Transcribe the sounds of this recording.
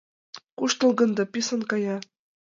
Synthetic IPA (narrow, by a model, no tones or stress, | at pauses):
kuʃt̪ɤ̆lˠɡɤ̆nd̪ɤ̆pʲisɤ̆nkɑjɑ